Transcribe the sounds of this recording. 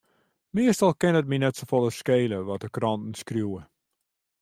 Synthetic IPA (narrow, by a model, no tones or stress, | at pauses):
miəstɑlˠkɪnət̚minɛtsofolˠəskeːləʋɔt̚dəkrɑntn̩skrjuwə